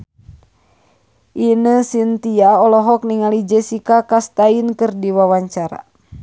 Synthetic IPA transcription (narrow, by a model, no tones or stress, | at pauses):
ʔinəsint̪iaɔlɔɦɔk̚niŋalid͡ʒəsikakast̪ainkɨrdiwawaɲt͡ʃaɾa̰